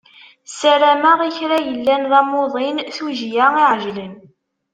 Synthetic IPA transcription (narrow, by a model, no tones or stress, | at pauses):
sæɾæmaʁiçɾajəlːænðɑmoðˤinθuʒjaiʕʒlən